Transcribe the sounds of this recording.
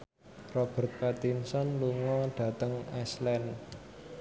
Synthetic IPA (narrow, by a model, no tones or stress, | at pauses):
rɔb̥ə̤rt̪̚pat̪insɔnluŋɔɖ̥ä̤t̪əŋɛslɛn